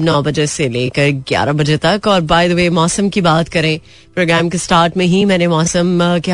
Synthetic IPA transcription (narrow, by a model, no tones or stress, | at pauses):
nɔːbɐd͡ʒeseleːkɐɾɡja̰ːɾabɐd͡ʒet̪ɐkɔːɾbaːɪd̪ʋemɔːsə̃mkibaːt̪kɐɾẽː | pɾoːɡɾɛːmkesʈaːɾʈmẽɦimɛ̃ːnemɔːsəmke